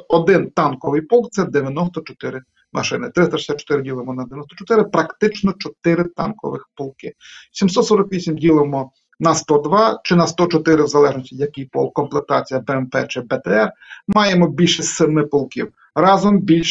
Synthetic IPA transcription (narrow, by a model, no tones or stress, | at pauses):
ɔd̪ɪnt̪ɑnkɔʋɪjpɔlˠkt̪sɛd̪eʋʲjɐnɔst̪ɔt͡ʃɔt̪ɪɾɪ | mʔɐ̰ʃɪnɪt̪ɾɪst̪ɐʃɪsʲat̪̚t͡ʃɔ̥t̪ɪɾɪdʲilˠemɔnɐd̪ejʲnɔst̪ɔt͡ʃɔt̪ɪɾɪpɾɐkt̪ɪt͡ʃnɔt͡ʃɔt̪ɪɾɪt̪ɑnkɔ̰ʋɪxpɔlˠkɪsʲimsɔt̪sɔɾɔkʋʲisʲimdʲilˠemɔ | nɐst̪ɔd̪ʋɑt͡ʃɪnɐst̪ɔt͡ʃɔt̪ɪɾɪwzɐlˠɛʒnɔsʲtʲijɐkɪjpɔ̰lˠkːɔmplˠet̪ɑt͡sʲijɐbɛɛmpɛ̰t͡ʃɪbɛt̪ɛɛrmɑjemɔbʲilʲʃɛsemɪpɔlˠkḭw | rɑzɔmbʲilʲʃ